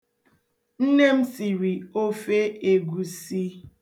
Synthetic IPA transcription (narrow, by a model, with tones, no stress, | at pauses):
n̩˦ne˦m̩˦si˨ɾi˨o˦fe˦e˨ɡu˨si˦